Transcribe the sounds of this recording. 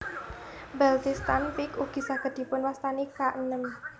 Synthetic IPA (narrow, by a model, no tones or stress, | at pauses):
bɛlt̪ist̪anfɪkuɡ̥i̤saɡ̥ə̤t̪̚d̪̥i̤pʊnwast̪anikaʔnəŋ